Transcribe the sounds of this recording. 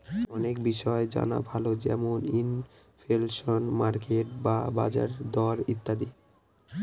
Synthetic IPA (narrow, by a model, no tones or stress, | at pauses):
ɔnekbiʃɔed͡ʑa̰na̰bʱalod͡ʑɛmonin | fʰelʃonmaɾkeʈbaba̰d͡ʑa̰ɾd̪ɔɾit̪ːad̪i